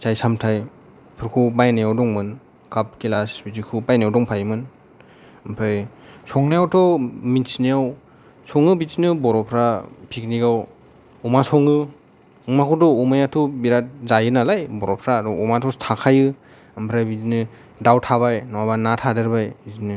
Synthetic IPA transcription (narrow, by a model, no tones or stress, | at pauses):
sajsamtʰaj | pʰɯɾkʰubajnajawdɔŋmɯn | kap̚kilasbizikʰubajnajawdɔŋpʰajmɯn | mpʰɾaj | sɔŋnajawtʰɔminsnijaw | sɔŋɯbizinɯbɔɾɔpʰɾapʰikniɡaw | ɔmasɔŋɯ | ŋmakʰɔdɔumajatʰɔbiɾat̚zajɯnalajbɔɾɔpʰɾadɔumatʰɔtʰakʰajɯ | ampʰɾajbizinɯ | dawtʰaβajnɔwabanatʰadɯɾbajzinɯ